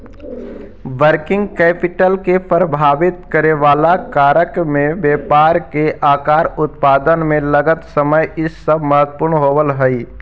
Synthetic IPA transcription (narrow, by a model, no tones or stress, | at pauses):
ʋəɾkɪ̃ŋɡ̚kɛːpɪʈəlkepəɾbʱaːʋɪt̪kəɾeʋaːlakaːɾəkmẽʋjeːpaːɾkeʔaːkaːɾʊt̪paːd̪ənmẽləɡət̪səməjɪsːəbʱməɦət̪ːpʊɾɳɦoːʋəlɦɛi